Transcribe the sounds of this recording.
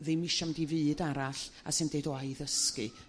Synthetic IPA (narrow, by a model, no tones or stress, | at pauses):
ðɨmɪʃamdivɨːdaɾaɬa̰sɨndeɨdɔajðəskɨ̰